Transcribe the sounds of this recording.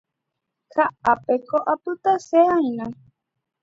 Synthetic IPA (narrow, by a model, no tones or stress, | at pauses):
kʰaapekoʔapɨt̪aseajnã